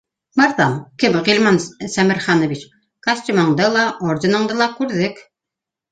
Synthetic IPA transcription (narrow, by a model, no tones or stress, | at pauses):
mɤ̆ɾðɑmkɘmʁilʲmɑnsæmɘ̆ɾχɑnɤ̆βit͡ɕ | kɑsʲt̪ʲimɑɴd̪ɤlˠɑʔoɾd̪ʲĭnɤ̆ɴd̪ɤlˠɑkʉɾðɘk